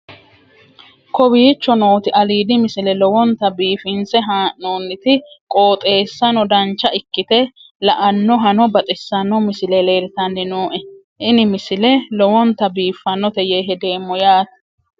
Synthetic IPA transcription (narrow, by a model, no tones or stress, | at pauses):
kɔwiːt͡ʃːɔno̞ːt̪ɪʔɐliːd̪ɪmɪsɪlɛlɔwɔnt̪ɐbiːfɪnsɛɦaːʔnoːnːɪt̪ɪkʼo̞ːt̪ʼe̞ːsːɐnɔd̪ɐnt͡ʃːɐɪkːɪt̪ɛ | lɐʔɐnːɔɦɐnɔbɐt̪ʼɪsːɐnːɔmɪsɪlɛle̞ːɾɪt̪ɐnːɪnoːʔɛ | ʔɪnɪmɪsɪlɛlɔwɔnt̪ɐbiːfːɐnːɔt̪ɛjeɦɛd̪e̞ːmːɔjaːt̪